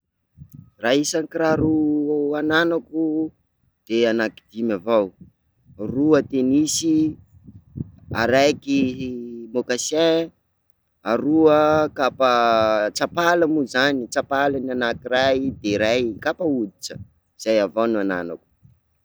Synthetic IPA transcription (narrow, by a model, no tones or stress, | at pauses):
raisaŋkiɾaɾuananaku | d̪̥eanakid̪imavaw | ruət̪enisi | a̰ɾajki | mokasẽ | aɾuəkapət͡sapalamuzanit͡sapalananakirajd̪eɾajkapaud̪it͡ʃə̥ | z̥ajavawnuana̰na̰ku̥